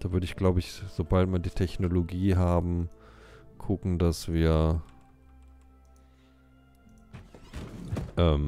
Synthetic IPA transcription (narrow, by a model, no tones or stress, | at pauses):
d̥aːvʏɐɾəɪçɡ̥laʊbəɪçz̥obaltmiːɐdiːtʰɛçnoloɡiːɦaːbm̩ | kʰʊkŋ̩dasv̥iːɐ | ʔɛːm